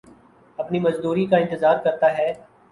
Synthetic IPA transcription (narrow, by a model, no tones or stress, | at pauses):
ɐpnimɐzd̪uːɾikaɪ̃nt̪ɪzaːɾkɐɾt̪aɦɛː